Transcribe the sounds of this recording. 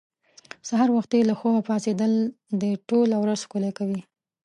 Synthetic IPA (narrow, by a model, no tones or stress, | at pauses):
saɦɑɾwaxt̪elaxowapɑsed̪əl | d̪əʈolawɾazxkolakawi